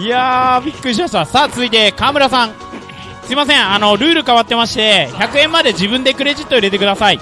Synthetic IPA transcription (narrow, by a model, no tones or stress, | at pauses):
ijabʲikːɯ̟ɾʲiɕ̬imaɕ̬t̪asaːt͡sɨzɨit̪e̞kaːmɯ̟ɾas̬ãŋ | sɨimas̬ẽ̞ŋ̃ano̞ɾɯ̟ːɾɯ̟kaβat̪ːe̞maɕi̥t̪e̞çakɯ̟ẽ̞mːad̪e̞ʑibɯ̃nd̪e̞kɯ̟ɾe̞ʑit̪ːoiɾe̞t̪e̞kɯ̟d̪asai